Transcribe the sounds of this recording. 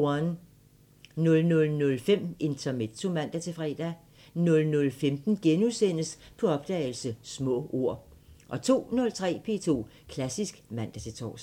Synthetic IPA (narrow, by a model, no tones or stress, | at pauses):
ɒn | nɔ̽lnɔ̽lnɔ̽lfem̰e̝nt͡sʰɐme̥t͡sʰo̝mæn̰d̥æt͡sʰe̝fʁɛ̰ːd̥æ | nɔ̽lnɔ̽lfemd̥n̩ɡ̥enusen̰əspʰɒ̽ɒ̽b̥d̥ɛ̰ːɪlsəsmɔ̰̽ːʔo̝ɐ̰ | ʔɒ̽t͡sʰo̝̰ːnɔ̽lt͡sʰʁɛ̰ːpʰe̝ːt͡sʰo̝̰ː | kʰlæsisɡ̥mæn̰d̥æt͡sʰe̝t͡sʰɒ̰ːs